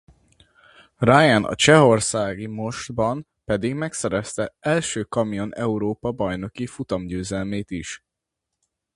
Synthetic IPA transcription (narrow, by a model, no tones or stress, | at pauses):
rajɛnʔɒ̰t͡ʃɛɦo̞rsaːɡimo̞ʒt̪bɒm | pɛd̪iɡmɛksɛɾɛst̪ɛɛlʃøːkɒmijo̞nɛuɾoːpɒbɒjno̞kifut̪ɒmɟøːzɛlmeːt̪iʃ